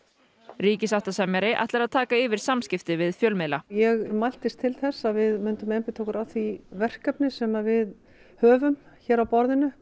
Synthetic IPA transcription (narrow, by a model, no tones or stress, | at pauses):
ɾiːcɪsaft̪asɛmjaɾɪʔa̰ht̪lɛɾaðt̪ʰaːkaɪːvɪɾ̥samscɪft̪ɪvɪðfjœːlmɪðlajɛɣmajl̥t̪ɪst̪ʰɪlθɛsːaðvɪðmʏnt̪ʏmɛmpɪt̪ʰowkʏɾaθivɛr̥kapnɪsɛmaðvɪð | hœːvʏm | çɛːɾawpɔɾðɪnʏ